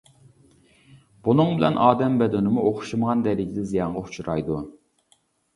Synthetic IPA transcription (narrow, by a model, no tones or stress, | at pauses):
b̥unɨŋbɪlɛ̰nʔɑːd̪ɛmbɛd̪ɛnɪmuʔoχʃuməʁɑnd̪ɛɾɪɡʲid̪ɛzijɑɴʁɑut͡ʃʰuɾɑjd̪u